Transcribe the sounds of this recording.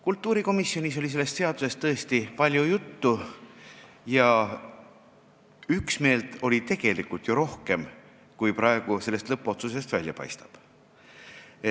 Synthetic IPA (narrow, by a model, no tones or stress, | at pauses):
kult̪ːˑuːɾiko̞misːio̞niso̞lʲise̞lːest̪se̞ɑd̪̥use̞st̪ːɤ̞est̪ipɑlʲjujut̪ːu | jɑ | yksme̞ːlt̪o̞lʲit̪e̞ɡ̥e̞likult̪joɾo̞hke̞m | kujpɾɑe̞ɡ̥use̞lːe̞st̪lɤpːˑo̞t̪sus̬e̞st̪vælʲjɑpɑ̰jst̪ɑ̥b̥